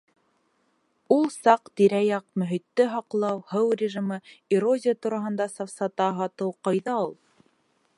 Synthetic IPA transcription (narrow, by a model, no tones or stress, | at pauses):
ulˠsɑqt̪iɾæjɑq̚mɵ̆ɦit̪ːɘɦɑqlˠɑwhɤwrʲɪʒimɤiɾozʲɪjat̪uɾɑɦɤ̆nd̪ɑsɑfsɑt̪ɑɦɑt̪ɤwqɑjðɑulˠ